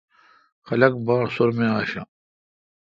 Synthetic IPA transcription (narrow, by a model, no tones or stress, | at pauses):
xɐlɐk̚baːɾsoɾmẽaːɕa̰